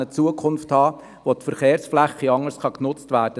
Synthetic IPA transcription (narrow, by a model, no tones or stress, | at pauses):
ət͡suəkʰʊnfthɑː | ʋotfəɾχeːɾsflæχːiɑŋəsχɑknʊt͡stvæːɾd̥ə